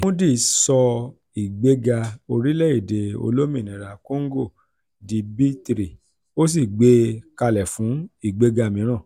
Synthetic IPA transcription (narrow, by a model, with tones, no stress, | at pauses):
mũ˦di˦˨sɔ˧ | i˨ɡ͡be˦ɡa˧o˧ɾi˦lɛ˦i˦˨de˨o̰˧lo˦mĩ˦˨nĩ˨ɾa˨ko˦ŋ˦ɡo˦˨ | di˧bi˦tɾi˨ | o˦s̬i˦˨ɡ͡be˧˦ka˧lɛ˨fũ˨˦i˦˨ɡ͡be˧ɡa˧mĩ˨˦ɾ̃ã˦˨